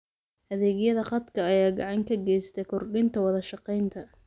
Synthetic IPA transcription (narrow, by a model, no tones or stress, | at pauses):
ʔɐðɛːɣjɐðɐχɑd̪kʰɐːjaːɡɑʕɑŋkʰɐɡɛjst̪ʰɛkʰɔrɖɪnt̪ʰɐwɑðɐʃɑqɛjnt̪ʰɐ